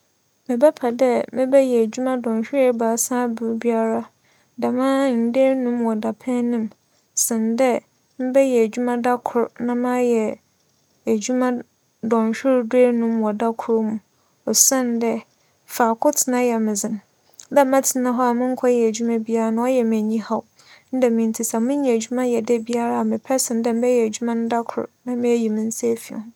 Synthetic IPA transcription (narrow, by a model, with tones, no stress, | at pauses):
mɛ˨bɛ˦pʰa˨dɛ˦mɪ̃˦bɛ˦jɛ˨æ˨d͡ʑᶣu˦mã˦dɔ̃˨nɕᶣɪ˦ɾe˦baː˨sã˦bʊ˨˦bi˦a˦ɾa˦ | da˨mãː˦n̩˨deː˦nũ˦mwɔ˨da˨pʰɛ̃˦nĩ˦m | sɪ̃˨ndɛ˦ | mɪ̃˦bɛ˦jɛ˨æ˨d͡ʑᶣu˦mã˦da˦kʰʊ˨ɾnã˦mã˦jɛ˨ | æ˨d͡ʑu˦mã˦ | dɔ̃˨n˨ɕᶣɪ˦ɾde˦nũ˦mwɔ˨da˦kʰʊ˦ɾmũ˨ | ɔ˨sã˦n˦dɛ˦ | fa˨kʊ˦tʰɪ˨nã˦jɛ˨mɪ̃˨zɪ̃˨n | dɛ˦mã˦tʰɪ˨nã˦ɦɔ˦a˨mɪ̃˦ŋ̩˦kʰɔ˦jɛ˨æ˨d͡ʑu˦mã˦bi˦a˦ɾa˨nʊ̃˦ɔ˦jɛ˨m˨æ̃˨ɲĩ˦ha˦w | n̩˦dɛ˨mɪ̃˨n̩˦tʰi˦sa˨mʊ̃˦ã˨æ˨d͡ʑu˦mã˦jɛ˨dɛ˦bi˦a˦ɾa˨mɪ̃˨pʰɛ˦sɪ̃˨n˦dɛ˦m̩˦bɛ˦jɛ˨æ˨d͡ʑu˦mã˦nʊ̃˦da˦kʰʊ̰˨ɾnã˦mɪ̃˦æ˦ji˨mɪ̃˦n̩˦se˦fi˨ɔ̰̃˨˦